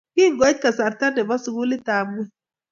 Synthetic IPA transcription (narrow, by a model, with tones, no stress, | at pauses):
ki˦ŋɡɔ˨˦t̪̚ka˨sa˨ɾta˦nde˨ba˦su˨ɡu˦li˦taː˨be˦